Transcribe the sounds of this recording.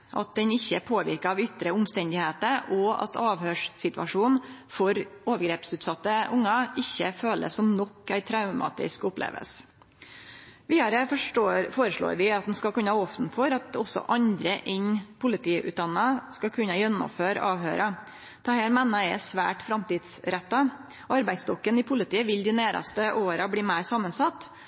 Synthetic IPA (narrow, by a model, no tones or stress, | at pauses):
ʔɑ̰t̪̚d̪ɛnɪçːəpʰoːʋɪ̰ɾkəɾɑʋʏt̪ɾəʊmst̪ɛnd̪ɪheːt̪əɾɔɑ̰t̪ʰɑːʋhøːʂsɪt̪ʋɑʂuːnfɔɾoːʋəɾɡɾeːpsʉːt̪sɑt̪ːəʔʊŋːɑɪçːəføːlʔə̰sɔmnɔkːæɪt̪ʰɾɑʉmɑ̰ːt̪ɪ̰skʊplḛːʋə̰ls | ʋiːd̪ɑɾəfoːɾəʂɭo̰ːɾʋɪɑt̪̚d̪ɛnskɑlkʉnːəhɑɔft̪n̩fɔɾɑt̪ɔsɔ̰ʔɑɲd̪ɾəʔɛɲpʰʊlɪt̪ʰiːʔʉ̰t̪̚d̪ɑnɑskɑkʰʉnːəjɛnːɔ̰mføːɾɑːʋhøːɾʔɑ | t̪ʰɑːhæːɾmɛnːɑɛsʋæ̰ːʈfɾɑmt̪iːd̪sɾɛt̪ːɑ | ɑɾbæɪst̪ɔkːənɪpʰʊlɪt̪iːəʋɪld̪ɪnæːɾɑ̰st̪əʔoːɾɑbliːmæɪɾsɑmːənsɑt̪ː